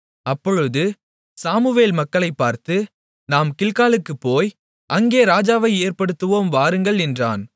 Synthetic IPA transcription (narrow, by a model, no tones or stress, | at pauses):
ɐpːɔɻɯðɯ | saːmɯʋeːlmɐkːɐɭɐɪpːaːɾt̪ɯ | naːmkɪlkaːlɯkːɯpːoːj | ʔɐŋɡeːɾaːd͡ʒaːʋɐɪeːɾpɐɽɯt̪ːɯʋoːmʋaːɾɯŋɡɐɭɪndra̰ːn